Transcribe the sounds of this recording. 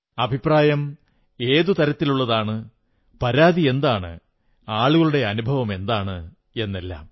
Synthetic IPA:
ɐbʱipraːjɐm | e̞ːðut̪ɐɾɐt̪ːiluɭːɐðaːɳɨ | pɐɾaːðie̞nd̪aːɳɨ̰ | aːɭuɣɐɭuɽe̞ɐnubʱɐʋɐme̞nd̪aːɳɨ | e̞nːelːa̰ːm

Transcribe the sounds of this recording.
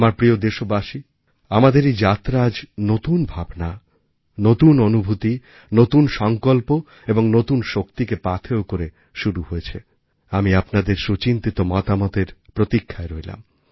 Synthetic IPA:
maɾpɾiod̪eʃobaʃi | amad̪eɾid͡ʑat̪ɾad͡ʑnot̪unbʱabna | not̪unonubʱut̪i | not̪unʃɔŋkolpo | eboŋnot̪unʃokt̪ikepat̪ʰeokoɾe | ʃuɾuhojet͡ɕʰe | amiapnad̪eɾʃot͡ɕint̪it̪omɔt̪amɔt̪eɾpɾot̪ikʰːaeɾɔela̰m

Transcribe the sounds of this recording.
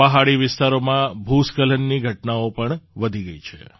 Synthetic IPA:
pəɦaɽiʋɪst̪aɾomãbʱuskələnːiɡʱəʈnaopəɳʋəd̪ʱiɡəit͡ʃʰḛ

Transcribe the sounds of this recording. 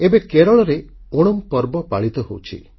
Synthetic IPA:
ebekeɾɔɭɔɾeoɽ̃ɔmpɔɾbɔpaɭit̪ɔɦowt͡ʃʰḭ

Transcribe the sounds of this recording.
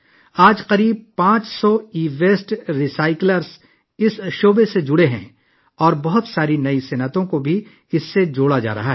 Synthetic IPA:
aːd͡ʒqɐɾiːb̚pãːt͡ʃsɔiːʋeːsʈɾɪsaːɪkləɾs | ɪsʃoːbesed͡ʒʊɽeɦɛ̰̃ | ɔːɾbɐɦʊt̪saːɾinɐisenət̪õkobʱi | ɪsːed͡ʒoːɽad͡ʒa̰ːɾɐ̰ɦaɦɛː

